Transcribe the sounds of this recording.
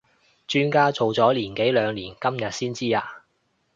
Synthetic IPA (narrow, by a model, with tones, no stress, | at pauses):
t͡ʃyː˥nkaː˥t͡so˨wt͡sɔː˨˥liː˨˩nke˨˥jlœː˨˧ŋliː˨˩nkɐ˥mjɐ˨t̚siː˥nt͡siː˥aː˧